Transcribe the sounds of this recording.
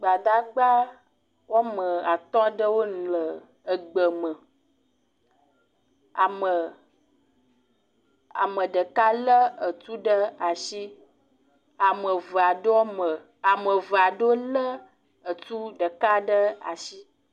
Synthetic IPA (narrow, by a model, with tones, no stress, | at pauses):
ɡ͡ba˨d̪a˦ɡ͡ba˦ | wo˦mə̃˨a˨t̪ɔ̃˦ɖə˦wo˦nũ˨lə˨ | ə˨ɡ͡bə˨mə˨ | a˨mə˨ | a̰˨mə̃˨ɖə˨ka˦lə˦ə˨t̪u˦ɖə˦a˨ʃi˦ | a˨mə˨və˨a˨ɖo˦mə˨ | a˨mə̃˨və˨a˨ɖo˦lə˦ | ə˨t̪u˦ɖə˨ka˦ɖə˦a̰˨ʃi˦